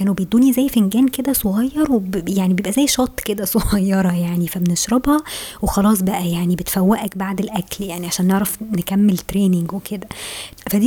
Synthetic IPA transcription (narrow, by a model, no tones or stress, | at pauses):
kæːnubed̪ːuːnizæjfenɡæːnked̪æsˤoɣɑjːɑɾˤwebjaʕnibejebʔæzæjʃɑːt̪ˤːked̪æsˤoɣɑjːɑɾˤɑjaʕnifæbeneʃɾɑbhɑwexɑlɑːs̬ˤbæʔæjaʕnibet̪fæwːæʔækbaʕd̪elʔækljaʕniʕaʃæːnːeʕɾæfnekæmːelt̪ɾeːneŋɡwekʰed̪æfæd̪i